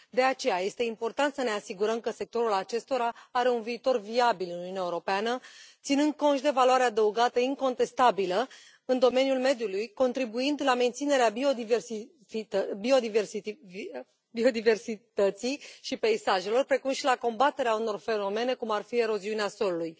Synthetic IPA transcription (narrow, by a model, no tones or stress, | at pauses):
d̪e̞at͡ʃe̞jaje̞st̪e̞impo̞rt̪ant̪səne̞asiɡuɾəmkəse̞k̚t̪o̞ɾulat͡ʃe̞st̪o̞ɾaaɾe̞unviːt̪o̞rviabilɨnuiuneaeuɾo̞peanət̪sinɨnd̪̚kontʃd̪e̞valwaɾead̪əuɡat̪əiŋko̞nt̪e̞st̪abilə | ɨnd̪o̞me̞njulme̞d̪julujko̞nt̪ɾibuind̪lame̞nt̪sine̞ɾeabio̞d̪iversi | fibio̞d̪iversi | bio̞d̪ive̞rsit̪ət̪sijʃipe̞isaʒe̞lo̞rpɾe̞kumʃilako̞mbat̪e̞ɾeauno̞rfe̞no̞me̞ne̞kumarfie̞ɾo̞ziuneaso̞luluj